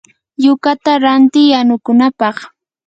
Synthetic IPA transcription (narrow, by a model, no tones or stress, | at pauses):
jʊkat̪aɾant̪ɪjanʊkʊnapɑχ